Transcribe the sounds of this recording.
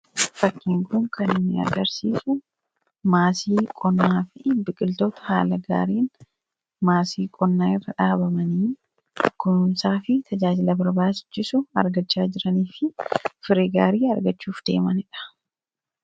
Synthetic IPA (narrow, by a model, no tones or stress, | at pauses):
fɐkːiːŋkʊŋkʰɐnɪnːɪɐ̰ɡɐɾsiːsʊ | maːsiːkʼɔnːaːfɪbɪkʼɪlt̪oːt̪ɐ̥ha̰ːlɐɡa̰ːɾiːn | maːsiːkʼɔnːaːɪrːɐᶑaːbɐmɐniː | kːʊnʊnsaːfɪt̪ʰɐd͡ʒaːd͡ʒɪlɐbɐɾbaːsɪ̥t͡ʃːɪsʊɐ̰ɾɡɐt͡ʃːaːd͡ʒɪɾɐniːfɪfɪɾiɡaːɾiːɐɾɡɐt͡ʃːuːfd̪̥e̞̰ːmɐnɪᶑɐ̥